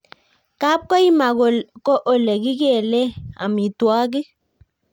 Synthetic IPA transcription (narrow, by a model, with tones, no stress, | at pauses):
ka˦p̚kɔ˦i˦ma˨ɡo˨lkɔ˦ʔo˨le˨ki˦kɛ˦˨lɛ˦a̰˨mi˨twa˦ɡ̬i˦